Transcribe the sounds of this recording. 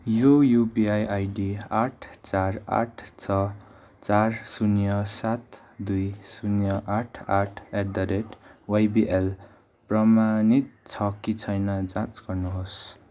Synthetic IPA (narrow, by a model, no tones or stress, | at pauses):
jojupiajʔajɖiaʈʰt͡sara̰ʈʰt͡sʰʌ | t͡sarsunjʌsat̪ | d̪ujsunjʌʔaʈʰaʈʰeʈd̪ʌɾeʈwajbiʔel | prʌmanit̪̚t͡sʰʌkit͡sʰʌjnʌd͡zãt͡sɡ̥ʌrnuɦos